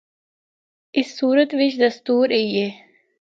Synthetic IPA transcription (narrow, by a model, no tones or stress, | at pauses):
ɪsːuːɾət̪ʋɪt͡ʃd̪ɐst̪uːɾejeː